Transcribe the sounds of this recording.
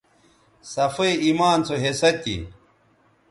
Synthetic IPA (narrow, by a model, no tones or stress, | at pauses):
sɐfɐiimaːnt͡sʰoɦesɐt̪ḭ